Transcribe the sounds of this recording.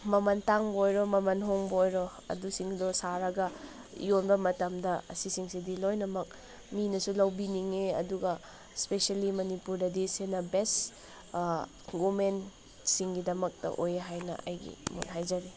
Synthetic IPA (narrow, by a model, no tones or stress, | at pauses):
mɐmɐntaŋbojɾomɐmɐnɦoŋbojɾo | ɐ̰dusiŋdosaɾɐɡɐ | jonbɐmɐtɐmdɐɐ̰sisiŋsidilojnɐmɐk̚ | minɐsulɐwbiniŋeɐ̰duɡɐ | speselimɐnipuɾdɐdisenɐbest | ɡomen | siŋɡidɐmɐk̚tɐ̰ʔojeɦajnɐ̰ʔɐjɡḭmo̰nɦajd͡ʒɐɾi